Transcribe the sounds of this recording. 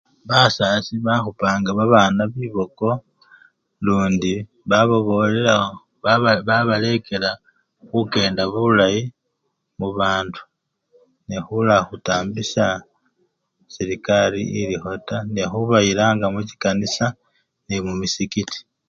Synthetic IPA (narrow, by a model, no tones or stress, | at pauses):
βasasiβaxupaːŋɡaβaβaːnaβiːβo̞ko̞ | luːndi | βaβo̞βo̞lela | βaβale̞ke̞la | xuke̞ːndaβulaji | muβaːndu̥ | nexulaxutaːmbisa | siɾikalḭːlixo̞tanexuβaiɾaːŋɡamuci̥kanisa | nemumisikiti̥